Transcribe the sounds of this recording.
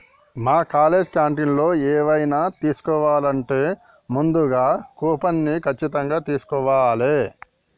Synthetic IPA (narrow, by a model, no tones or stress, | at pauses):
maːkaːle̞ːd͡ʒkjaːɳʈinlo̞ːɛːʋɐjnaːt̪iːsu̥kɔːʋaːlɐɳʈe̞ː | mund̪uɡaːkuːpɐnːikʰɐt͡ʃːit̪ɐŋɡaːt̪iːsu̥kɔʋaːleː